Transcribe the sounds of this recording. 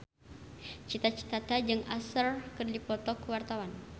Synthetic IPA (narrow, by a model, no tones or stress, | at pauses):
t͡ʃit̪at͡ʃi̥t̪at̪ad͡ʒɨŋasərkɨrdipɔt̪ɔkəwart̪awan